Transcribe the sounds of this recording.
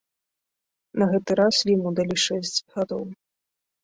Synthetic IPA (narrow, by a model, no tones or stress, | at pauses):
nɐɣɛt̪ɨɾasvʲimud̪alʲiʂɛsʲt͡sʲɣad̪ɔw